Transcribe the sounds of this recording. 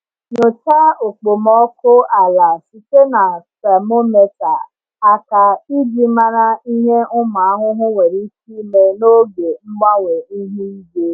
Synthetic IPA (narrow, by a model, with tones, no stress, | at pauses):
ɲʊ˨ta˦o˨k͡po˨mɔ˨˦ko˦a˨la˨si˨te˦na˨sa˨mo˦me˦ta˨ | a˨ka˨i˦d͡ʒi˦mã˦ɾa˦i˦ɲe˦ʊ˦ma˨a˦ɦʊ˦ɦʊ̃˦we˨ɾi˦t͡ʃi˦me˦no˦be˨m̩˦ma˦we˨i˦ɦi˦i˦be˦